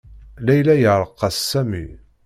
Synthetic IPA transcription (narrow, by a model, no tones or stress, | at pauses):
læjlæjəɾˤəqːɑsːæmḭ